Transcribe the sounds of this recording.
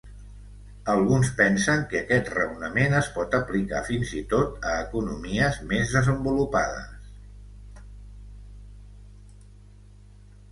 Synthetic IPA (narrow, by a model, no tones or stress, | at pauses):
əlˠɣunspɛnsəŋkəkɛt̪rə̰wnəmenəspɔt̪əplika̰finzit̪ot̪əːkunṵmiəzmezðəzəmbulupað̞ə̰s